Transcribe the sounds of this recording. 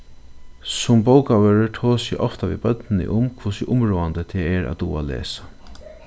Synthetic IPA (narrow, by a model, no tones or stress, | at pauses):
sʊmbowkaʋœːɹəʈ̪ʰoːsɪ̰ʔɔft̪aʋḭːbœt̪nɪnɪ̰ʔʊmkʰvusɪʔʊmɹoːand̪ət̪ʰɛːɛɾʔa̰t̪ṵːa̰lḛːsḁ